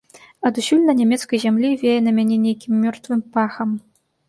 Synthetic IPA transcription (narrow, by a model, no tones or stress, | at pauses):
ɐd̪usʲulʲnɐnʲɛmʲɛt̪skɐjzʲamlʲivʲejɛnɐmʲanʲɛnʲejkʲimːʲɔrt̪vɨmpaxɐm